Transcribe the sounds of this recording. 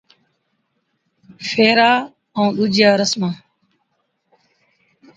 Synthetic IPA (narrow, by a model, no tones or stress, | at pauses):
fʰeːɾaː | əũːɗʊd͡ʒjaːɾəsmãː